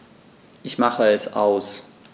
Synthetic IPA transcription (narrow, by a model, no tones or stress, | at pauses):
ʔɪçmaχəɛsʔa̰ʊs